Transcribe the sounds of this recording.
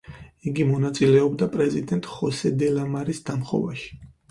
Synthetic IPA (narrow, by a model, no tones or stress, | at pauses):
iɡimɔnat̪sʼilɛɔbd̪apʼɾɛzid̪ɛnt̪ʼχɔsɛd̪ɛlamaɾisd̪̥amχɔ̰vaʃi̥